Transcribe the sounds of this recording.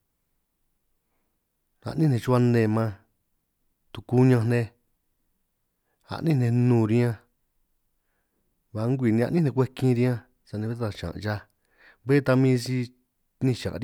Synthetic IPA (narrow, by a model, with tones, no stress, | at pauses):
a̰˧˨ʔnĩ˦nẽ˧t͡ʃu˦a˧nẽ˧˨mã˧ | t̪u˧˨ku˦ɲã˧nẽ˧ | a̰˧ʔnĩ˦nẽ˧nũː˦˧˨ɾi˦ã˧ | βa˨˦ŋɡʷi˨nĩ˧ã̰˧ʔnĩ˦nẽ˧k̬ʷe˦kĩ˦˧ɾi˧˦ã˦˧ | sa˧nĩ˧βe˦t̪a˧˨ʃã̰˨ʔt͡ʃa˧ | βe˦t̪a˧mĩː˦si˧ | nĩ˧ʃã̰˨ɾ